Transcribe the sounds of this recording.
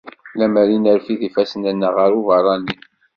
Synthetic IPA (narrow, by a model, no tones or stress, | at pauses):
læmæɾinəɾfiðifæsənənːəʁəɾuvɑɾˤːɑni